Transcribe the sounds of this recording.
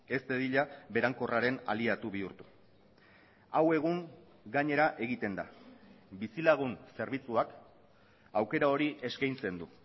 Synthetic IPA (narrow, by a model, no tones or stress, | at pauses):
e̞st̪e̞ðiʎaβe̞ɾaŋko̞raɾe̞na̰liat̪uβ̞iuɾt̪u̥ | awe̞ɣ̞uŋ | ɡaɲe̞ɾaʔe̞ɣ̞it̪e̞nd̪a̰bisilaɣ̞unse̞ɾβ̞it͡suak | awke̞ɾao̞ɾiʔe̞skajnt͡se̞nd̪u